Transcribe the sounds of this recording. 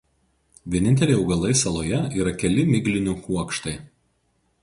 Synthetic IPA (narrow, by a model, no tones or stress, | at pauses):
ʋʲiɛnʲɪnʲt̪ʲɛlʲɛɪɛʊɡɐlˠɐɪsɐlˠoːjɛiːɾɐkʲɛlʲɪmʲɪɡlʲɪnʲʊkuɔkʃt̪ɐɪ